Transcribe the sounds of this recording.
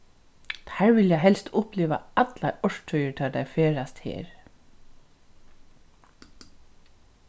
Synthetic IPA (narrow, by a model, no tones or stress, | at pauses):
t̪hæɹʋɪljaɦɛlst̪ʰʊpliːʋa̰at̪laɔʂʈʰœjəɹt̪ʰɛːd̪ajfeːɹast̪hḛːɹ